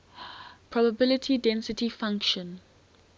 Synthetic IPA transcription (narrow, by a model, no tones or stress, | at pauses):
pʰɹ̥ɔbəbɪlɪtʰidɛ̃nsɪtifãŋkʃə̃n